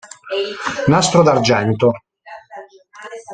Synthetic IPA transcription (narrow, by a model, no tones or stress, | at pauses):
nast̪ɾod̪ard͡ʒɛnt̪o